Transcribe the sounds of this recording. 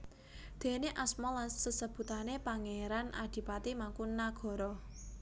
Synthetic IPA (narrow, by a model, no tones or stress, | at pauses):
d̪̥e̤neʔasmɔlansəsəb̥ṳt̪anepaŋeɾanʔad̪̥i̤pat̪imaŋkunːaɡ̥ɔ̤ɾɔ